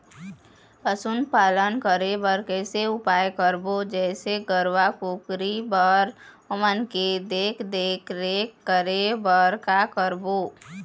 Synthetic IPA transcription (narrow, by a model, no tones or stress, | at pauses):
pəsʊnd̪paːlənkəɾebəɾkɛseʊpaːjkəɾbod͡ʒɛːseɡəɾwakokɾibəɾ | əmənked̪eːkʰd̪eːkʰɾekəɾebəɾkakəɾboː